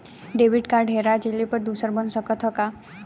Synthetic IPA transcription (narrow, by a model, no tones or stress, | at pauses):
ɖeʋiɖkaɾɖʱɦeɾad͡ʒelipəɾd̪usəɾbənsəkət̪ɦɔka